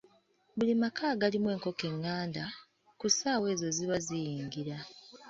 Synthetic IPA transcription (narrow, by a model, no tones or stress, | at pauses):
bulimakʰaːɡalimwe̞ːŋko̞ke̞ŋːaːnda | kusaːwe̞ːzo̞ziβazijiːŋɡiɾa